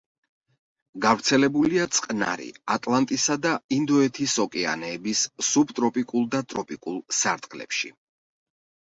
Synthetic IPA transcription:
ɡavɾt̪sʰɛlɛbuliat̪sʼqʼna̰ɾḭat̪ʼlˠant̪ʼisad̪aind̪ɔɛt̪ʰisɔkʼɛa̰nɛːbissubt̪ʼɾɔpʼikʼulˠd̪at̪ʼɾɔpʼikʼulˠsaɾt̪ʼqʼlɛ̰pʃḭ

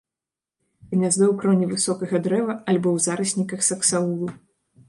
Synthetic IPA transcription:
ɣmʲazd̪ɨwkɾɔnʲivɨsɔkɐɣɐd̪ɾɛvɐalʲbɔwzaɾɨsʲnʲikɐxsɐksaulˠu

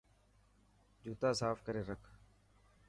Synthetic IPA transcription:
d͡ʒuːt̪ãːsaːfkəɾeːɾəkʰ

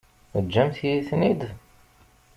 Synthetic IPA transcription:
əd͡ʒːæmθjiθnid̪

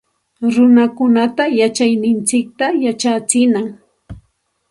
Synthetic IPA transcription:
ɾʊnakʊnat̪ajat͡ʃajnɪnt͡sɪk̚t̪ajat͡ʃat͡sɪnaŋ

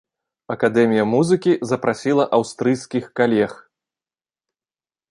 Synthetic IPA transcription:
ɐkad̪ɛmʲijɐmuzɨkʲizɐpɾasʲilˠɐʔawst̪ɾɨjskʲixkalʲɛx

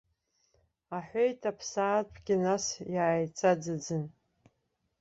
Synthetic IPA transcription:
aħʷejtʰapʰsaːtʰʼɡʲɪnasjaːjt͡sʼad͡zɨd͡zɨn

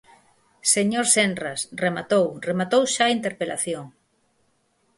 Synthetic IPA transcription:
seɲoɾsenrasremat̪owremat̪owʃaint̪eɾpela̰θjoŋ

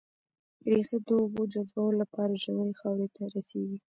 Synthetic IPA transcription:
ɾexed̪əːbod͡ʒazbawolapɑɾaʒaneɾexɑwɾet̪ʰaɾaseɡi

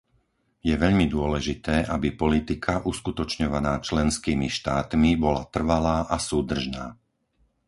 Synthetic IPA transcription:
jɛʋɛʎmid̪ʊɔlɛʒit̪ɛːʔabipɔlit̪ikʰaʔuskut̪ɔt͡ʃɲɔʋanaːt͡ʃlɛnskiːmiʃt̪aːt̪mibɔla̰t̪r̩ʋalaːʔasuːd̪r̩ʒnaː

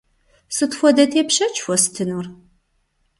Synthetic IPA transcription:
sɨtxʷɔdɐtʰeːpɕɐt͡ʃʰʼfʷɔsɨ̥tʰɨnur

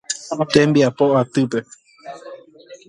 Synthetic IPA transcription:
t̪ẽmbiapoat̪ɨpe̞

